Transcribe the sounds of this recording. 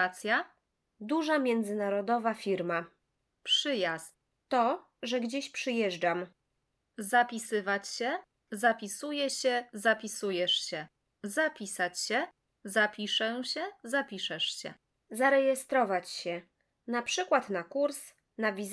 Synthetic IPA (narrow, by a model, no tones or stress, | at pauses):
t̪sʲja | d̪uʐamʲjɛnd̪zɘnaɾɔd̪ɔvafʲiɾma | pʂɘjast̪ | t̪ɔ | ʐɛɡd͡ʑeɕpʂɘjɛʐd͡ʐam | zapʲisɘvat͡ɕɕɛ | zapʲisujɛɕɛzapʲisujɛʂɕɛ | zapʲisat͡ɕɕɛ | zapʲiʂɛɕɛzapʲiʂɛʂɕɛ̰ | zaɾɛjɛst̪ɾɔvat͡ɕɕɛ | napʂɘkwat̪nakuɾs | navʲiz